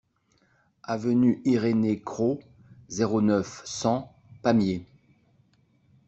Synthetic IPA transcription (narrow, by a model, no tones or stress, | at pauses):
avənyʔiʁenekχo | zeʁonœfsɑ̃ | pamje